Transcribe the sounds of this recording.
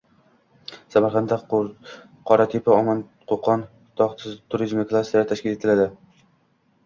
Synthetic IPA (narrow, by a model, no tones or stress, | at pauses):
samaɾχand̪a | qʰɒɾat̪ʰepʰaɒmɒn | qʰoqɑn | t̪ʰɒχt̪ʰɪst̪ʰːuɾizmɪklˠasat̪ʰaʃkʲɪle̞t̪ʰɪlad̪ɪ